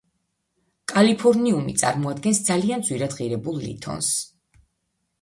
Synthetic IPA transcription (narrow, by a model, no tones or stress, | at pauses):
kʼalipʰɔɾniumḭt̪sʼa̰ɾmɔad̪̚ɡɛnsd̪zaliand̪zwiɾad̪ʁiɾɛbulˠlḭt̪ʰɔ̰ns